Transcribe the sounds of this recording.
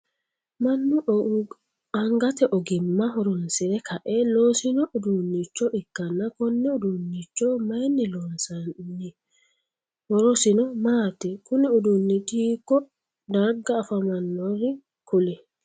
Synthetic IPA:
mɐnːʊ | ɐŋɡɐt̪ɛʔɔɡɪmːɐɦɔɾɔnsɪnɛkʰɐʔɛloːsɪnɔʔʊd̪ʊnːit͡ʃːɔʔɪkːɐnːɐkɔnːɛʊd̪ʊnːit͡ʃːɔmɐjnːɪlonsɐɪ | hɔɾɔsɪnɔmaːt̪ɛkʊnɪʊd̪ʊnːɪd̪iːkːɔ | d̪ɐɾɡɐːfɐmɐnːɔrɪ | kʊlɛ

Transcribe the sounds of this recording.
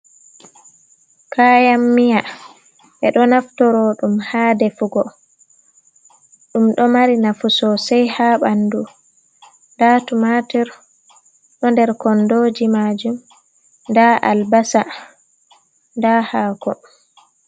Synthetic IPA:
kʰaːjamːija | ʔɛɗɔnaftɔɾɔɗumhaːdɛfuɡɔ | ɗumɗɔmaɾinafusɔsajhaɓandu | ndatumatiɾ | ɗɔndɛɾkɔndoːd͡ʒimad͡ʒum | ndaʔa̰lbasa | ndahaːkɔ

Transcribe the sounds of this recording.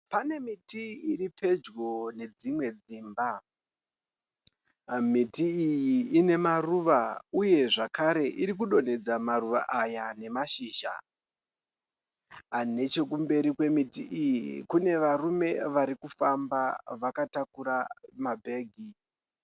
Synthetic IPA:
pane̞mitiiripʰe̞d͡ʒɡo̞ne̞d͡zimwe̞d͡ziːmba | mitiijiːne̞maruʋauje̞ʐakaɾe̞ʔiɾik̬uɗo̞ne̞d͡zamaruʋa̰ʔajane̞maʃiːʒa̰ | ane̞t͡ʃe̞k̬umbe̞ɾikwe̞mitiʔijiikune̞ʋarume̞ʋaɾikufambaʋakatakuɾamabʱe̞ːɡʱi

